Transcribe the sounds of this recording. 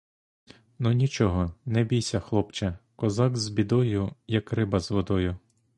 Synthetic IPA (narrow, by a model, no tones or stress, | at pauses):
nunʲit͡ʃɔɦɔnɛbʲijsʲɐxlˠɔpt͡ʃɐkɔzɑkzbʲid̪ɔjʊjɐkrɪbɐzʋɔd̪ɔjʊ